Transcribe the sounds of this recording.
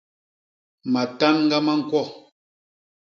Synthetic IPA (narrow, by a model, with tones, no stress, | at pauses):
ma˨ta˦nŋ̩˦ɡa˦ma˦ŋ̩˨kwɔ˦˨